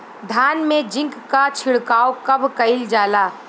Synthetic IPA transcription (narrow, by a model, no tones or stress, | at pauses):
d̪ʱaːnmẽd͡ʒɪ̃ŋkkːat͡ʃʰɪɽkaːokɐbʱkɐɪld͡ʒaːlaː